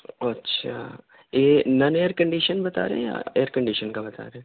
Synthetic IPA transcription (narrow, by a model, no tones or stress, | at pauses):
ɐtːʃʰa̰ː | jeːnɐneːəɾkɐ̃ɳɖiːʃənbɐt̪a̰ːɾḛɦja̰eːəɾkɐ̃ɳɖiʃənkabɐt̪a̰ːɾeɦẽ